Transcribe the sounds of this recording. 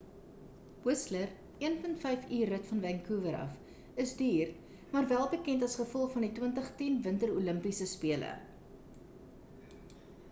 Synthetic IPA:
wəslər | iənpəntfɛjfyːrətfɐnvɛŋkuːvəɾɐ̰f | əsdyːr | mɑːrvælˠbəkɛntɐsχəfɔlˠfɐnditwəntəχtinvəntəɾuləmpisəspiələ̰

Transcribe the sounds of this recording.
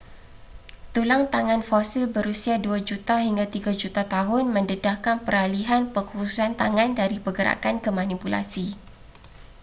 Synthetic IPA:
t̪ulaŋt̪aŋãnfosilbəɾusiaduad͡ʒut̪aɦiŋɡat̪iɡad͡ʒut̪at̪aɦʊnmə̃ndədahkanpəɾaliɦanpəŋhusu̥sant̪aŋãndaɾipəɡəɾa̰kankəmãnipula̰si

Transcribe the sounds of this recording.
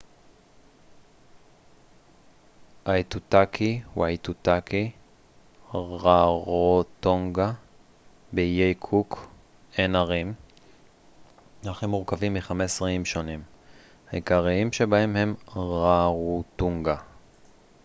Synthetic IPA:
ʔajtutakʰiwajtut̪aki | ʁaʁot̪oŋɡa | bejejkʰuk | enaʁim | aχimuʁkavimːiχamesʁiimʃo̞nim | haikaʁiimʃebaemhe̞mʁaʁut̪uŋɡa

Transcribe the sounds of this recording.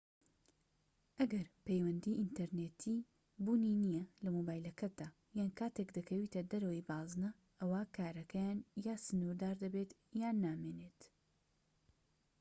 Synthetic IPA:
ʔɐɡɐɾpejwɐnd̪iʔint̪ɐɾnet̪ʰiː | buːninijɐlɐmobaːjlɐkʰɐt̪̚d̪aː | jaːnkaːt̪ekd̪ɐkʰɐwiːt̪ɐd̪ɐɾɐwijbaːznɐ | ʔɐwaːkʰaːɾɐkʰɐjaːnjaːsɨnuɾd̪aːɾd̪ɐbet̪ | jaːnːaːmeːneːt̪

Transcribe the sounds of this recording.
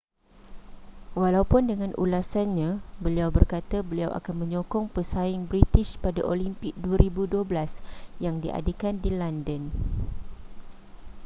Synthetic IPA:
walaupʊndəŋãnʔṵlasanɲãbəliawbərkat̪abəliawʔa̰kanmə̃ɲokɔŋpəsaɪŋbɾit̪ɪʃpadaʔolimpɪk̚duaɾibuduablasjaŋdiʔa̰dekandilandən

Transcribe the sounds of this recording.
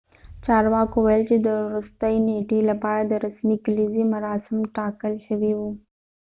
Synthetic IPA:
t͡ʃɑɾwɑkowajəlt͡ʃed̪əɾust̪əjneʈelapɑɾad̪əɾasmiklizimaɾɑsɪmʈɑkəlʃəwiwu

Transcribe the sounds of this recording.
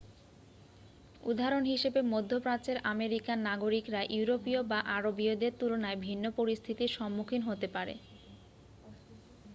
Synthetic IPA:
ud̪ʱaɾonɦiʃebemod̪ʱːopɾat͡ɕeɾʔameɾikanaɡoɾikɾaʔuuɾopiobaʔaɾobiod̪eɾt̪ulonaebʱinːopoɾist̪ʰit̪iʃɔmːukʰinɦot̪epaɾḛ

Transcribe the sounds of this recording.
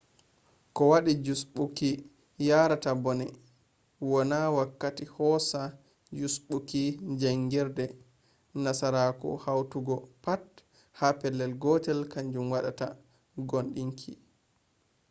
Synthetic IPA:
kɔwaɗid͡ʒusɓuki | jaɾatabɔnɛ | wɔnawakːatihɔsa | d͡ʒusɓukid͡ʒaŋɡɛɾdɛ | nasaɾakɔ̰hawtuɡɔpat | hapɛlːɛlɡɔtɛlkaɲd͡ʒumwaɗa̰ta̰ | ɡonɗiŋkʰḭ

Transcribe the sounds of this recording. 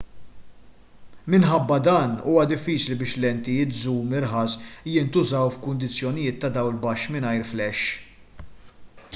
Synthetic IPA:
mɪnħɐbːɐd̪ɐːnṵːwɐd̪ɪfːiːt͡ʃlibɪːʃlɛnt̪ɪjɪːt̪zuːmɪɾħɐːsjɪnt̪ʊzɐwfkʊnd̪ɪt͡sːjɔnɪjɪːt̪ːɐd̪ɐwlbɐʃmɪnɐjɾflɛʃː

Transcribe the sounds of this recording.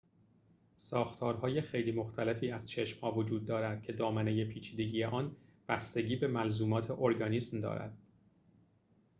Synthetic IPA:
sɒːxt̪ʰɒːɾɦɒːje̞xejliːmo̞xt̪ʰæle̞fiːæz̥t͡ʃʰe̞ʃmhɒːvod͡ʒuːd̪̚ːɒːɾæd̪̥̚cʰe̞d̪ɒːmæne̞je̞pʰiːt͡ʃʰiːd̪e̞ɟiːjeʔɒːnb̥æst̪e̞ɟiːbe̞mælzuːmɒːt̪ʰe̞ʔoɾɡɒːniːsmd̪ɒ̰ːɾæ̰d̪̥

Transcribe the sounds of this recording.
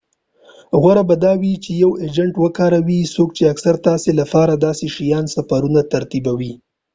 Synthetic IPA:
ɣwaɾabad̪ɑwit͡ʃejawed͡ʒaɳʈwəkɑɾawisokt͡ʃeaksaɾt̪ɑselafɑɾad̪ɑseʃijɑnsafaɾunat̪aɾt̪ibawi

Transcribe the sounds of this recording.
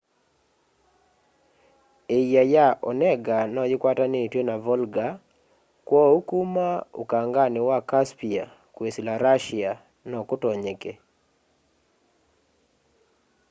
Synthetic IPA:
ejajaʔɔ̰nɛɡanɔjɪkwatanɪtjenavɔlɡa | kwɔukumaṵkaŋɡanɪwakaspia | kwesilaɾaʃia | nɔkʊtɔɲeke

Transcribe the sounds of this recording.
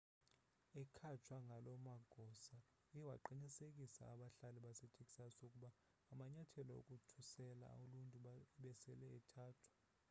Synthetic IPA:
ɛkʰat͡ʃʰwaŋɡʱalɔmaɡ̥ʱɔsa | iwaǃinisekʼisa̰ːɓaɬaliɓasetʰekʼi̥sasokʼuɓaː | maɲatʰɛlɔo̰kʼutʰusɛla̰oluntʼuɓɛsɛlɛɛtʰaːtʰu̥

